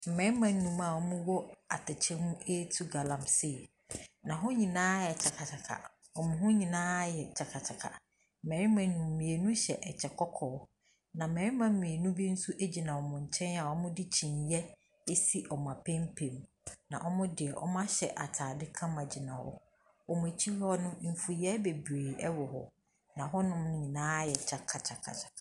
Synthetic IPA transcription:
m̩˨mɛ̃˨˦mã˦˨n̩ː˦nũ˨ma˨ɔ˦mʊ̃˦wɔ˦a̰˨tʰɪ˨t͡ɕʰɪ˦mũ˦e˦tʰu˦ɡa˨lã˨mse˨ | nã˨ɦʊ˦ɲĩ˨nãː˦jɛ˨t͡ɕʰa˨kʰa˨t͡ɕʰa˨kʰa̰˨ | ɔ˨mʊ̃˨ɦʊ̃˦ɲĩ˨nãː˦jɛ˨t͡ɕʰa˨kʰa˨t͡ɕʰa˨kʰa̰˨ | m̩˨mɛ̃˨˦ɪ˦mã˨n̩˦nũ˨mː˨ĩ˨e˨nũ˦ɕɛ˨ʔɛ˨t͡ɕʰɛ˨kʰɔ˦kʰɔː˨˦ | nã˨mɛ̃˨ɾɪ˦mã˨˦mĩ˨e˨nũ˦bi˦n̩˦su˦ʔe˦d͡ʑi˨nã˨wɔ˨mʊ̃˨ɲ̩˨t͡ɕʰɛ̃˦na˨ɔ˦mʊ̃˦dɪ˦t͡ɕʰĩ˨njɛ˦ | e˦si˦ʔɔ˨m˨ã˨pʰɛ̃˦m˦pʰẽ˨m | nã̰˨ʔɔ˦mʊ̃˦dɪ˨ɛ˨ʔɔ̰˦mʊ̃˦a˦ɕɛ̰˨ʔa˨tʰaː˨dɪ˦kʰã˦mã˨d͡ʑi˨nã˨wɔ̰˦ | ɔ˨mʊ̃˨e˨t͡ɕʰi˦lɔ˦nʊ̃˦m̩˨fu˨jɛ˦be˨bɾeː˨ɛ˦wɔ˨ɦɔ˨ | nã˨ɦɔ˦nʊ̃˦m̃˦ɲĩ˨nãː˦jɛ˨t͡ɕʰa˨kʰa˨t͡ɕʰa˨kʰa̰˨t͡ɕʰḁ˨˦

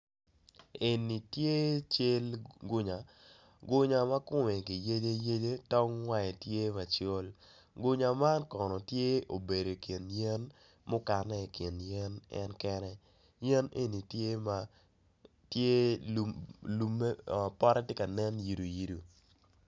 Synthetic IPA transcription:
e˨ni˨tje˦t͡ʃe˦lɡʊ˦ɲa˨ | ɡʊ˦ɲa˨ma˦kʊ˦mɛ˨ki˨je˦de˦je˦de˦tɔ˦ŋwa˦ɛ˨tje˦ma˨t͡ʃo˦l | ɡʊ˦ɲa˨ma˦nkɔ˨nɔ˨tje˦o˨be˨do˨ki˨njɛ˦n | mʊ˦ka˨nɛ˦˨ki˨njɛ˦nɛ̰˦nkɛ˦nɛ˦ | jɛ˦ne˦ni˨tje˦ma˨ | tje˦˨ | lu˨˦me˦˨pɔ˦ɾɛ˦te˦ka˨nɛ˦nji˨ɾu˨ji˦ɾu˨

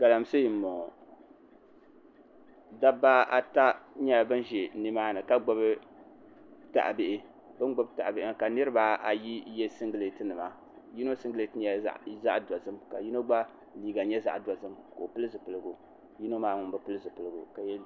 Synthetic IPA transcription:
ɡ̥a˨la˨msɨ˦ji˨˦mɔ˨ | da˦ba˦a˦ta˦ɲa˦˨bɨ˦n˦ʒɛ˨nɨ˦maː˦nɨ˨ka˦ɡ͡bɔ˦bɨ˦ | ta̰˨ʔa˨bɪ˨ʔɪ˦ | bɨ˦nɡ͡bɔ˦bta˨ʔbɪ˦ʔɪ˦ka˨nɨ˦ɾɨ˦ba˦ʔa˨ji˦jɛ˦sɨ˦ŋɡɨ˦le˨tɨ˦nɨ˨ma˦ | ji˦no˦sɨ˦ŋɡɨ˦le˨tɨ˦ɲɛ̰˦˨za˦ʔda˨zɨ˦mka̰˨ji˦no˦ɡ͡ba˦ | liː˦ɡa˨ɲɛ˦za̰˨ʔda˨zɨ˦mko˨pɨ˦lɨ˦zɨ˨pɨ˨lɨ˦ɡu˨ | ji˦no˦maː˦ŋʊ˨n˦bɨ˦pɨ˦lɨ˦zɨ˨pɨ˨lɨ˦ɡṵ˨ka˨jɛ˦

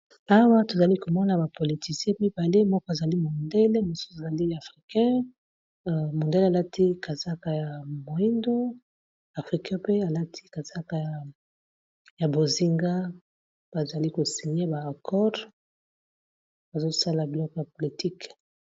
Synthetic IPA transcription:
a˦wa˦to˨za˨li˦ko˨mɔ˦na˨ba˨po˨li˨ti˨sjɛ̃˦mi˦ba˨le˦mɔ˦kɔ˦a˨za˨li˦mo˨nde˦le˦mo˨su̥˦sa˨za˨li˦a˨fʁi˨kɛ̃˦ | mo˨nde˦le˨a˨la˦tʰi˦ka˨za˦ka˨ja˨mo˨i˦ndo˦ | a˨fʁi˨kɛ̃˦pe˦a˨la˦tʰi̥˦ka˨za˦ka˨a˨ | ja˨bo˨zi˦ŋɡa˦ | b̥a˨za˨li˦ko˨si˨ɲe˦baː˨kʰɔ˦ʁ | ba˨zo˦sa˦la˨bi˨lɔ˦kɔ˨ja˨po˨li˨ti˦k

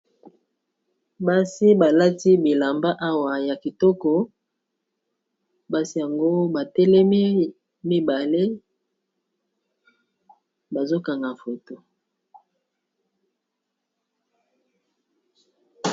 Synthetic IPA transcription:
ba˦si˦ba˨la˦ti˦bi˨la˨mba˦ʔa˦wa˨ja˨ki˨tɔ˦kɔ˨ | ba˦si˦ja˨ŋɡo˦ba˨tɛ˦lɛ˦mi˦ | mi˦ba˨le˦ | ba˨zo˦ka˨ŋɡa˨fo˨to˨

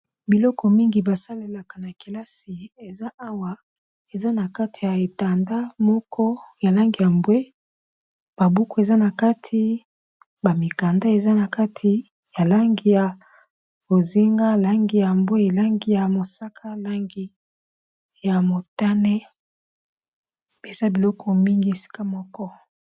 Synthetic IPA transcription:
bi˨lɔ˦kʰɔ˨mi˦ŋɡi˨ba˨sa˦le˨la˨ka˨na˨ki˨la˦si˨e˨za˦ʔa˦wa˨ | e˨za˦na˨ka˦tʰi̥˨ja˨e˨ta˨nda˦mɔ˦kʰɔ˦ja˨la˦ŋɡi˨ja˨mbwe˦ | b̥a˨bu˦kɔ˨e˨za˦na˨ka˦tʰi˦ | ba˨mi˨ka˨nda˦e˨za˦na˨ka˦tʰi˨ | ja˨la˦ŋɡi˦ja˨ | bo˨zi˦ŋɡa˦la˦ŋɡi˨ja˨mbwe˦e˨la˦ŋɡi˦ja˨mo˨sa˦kʰa˦la˦ŋɡi˦ | ja˨mo˨ta˦ne˦˨ | be˨sa˦bi˨lɔ˦kɔ˦mi˦ŋɡi˦e˨si̥˦ka˦mɔ˦kɔ˦

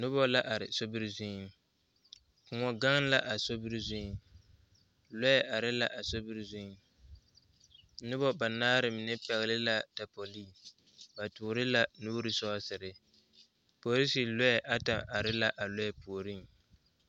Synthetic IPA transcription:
nʊ˦bɔ˦la˦ʔa˨ɾɪ˨so˦bi˦ɾzɪ˦ | kʊ˨ŋɔ˨ɡa˦ŋ˦la˦ʔa˨so˦bɨ˦ɾzɪ˦ | lɔ˦jɛ˦ʔa˨ɾɪ˦la˦ʔa˨so˦bi˦ɾzɪ˦ | nʊ˦bɔ˦ba˨naː˦ɾɪ˨mɪ˨nɛ˦pɛ˨ɣɪ˨lɪ˦la˦ta˨po˨li˦˨ | ba˨tʊː˨ɾɪ˦la˦nuː˦ɾɨ˨sɔ˦sɪ˨ɾɪ˨ | po˨li˦si˨lɔ˦jɛ˨ʔa˦ta˨ʔa˨ɾɪ˦la˦ʔa˨lɔ˦jɛ˦pu˨o˨ɾi˦˨ŋ

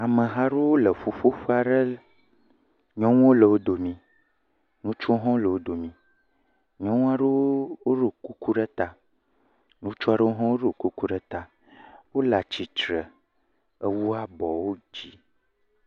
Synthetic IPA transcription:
a˨mə̃˨ɦa˦ɖe˦wo˦lə˨ɸu˨ɸo˦ɸa˨ɖə˦ | ɲɔ̃˦ŋũ˦wo˦lə˨wo˦d̪o˨mĩ˨ | nũ˦t͡ʃɔ˦ɦɔ̃˦lə˨wo˦d̪o˨mĩ˨ | ɲɔ̃˦ŋũ˦a˦ɖe˦wo˦wo˦ɖo˨ku˦ku˦ɖə˦t̪a˦ | nũ˦t͡ʃɔ˦a˦ɖə˦wo˦ɦɔ̃˦wo˦ɖo˨ku˦ku˦ɖe˦t̪a˦ | wo˦la˨t͡ʃi˨t͡ʃɾə˨ | ə˦wu˦a˦bɔ˨wo˦d͡ʑi˦

